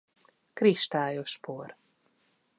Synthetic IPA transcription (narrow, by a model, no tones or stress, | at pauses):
kɾiʃt̪aːjoʃpoːr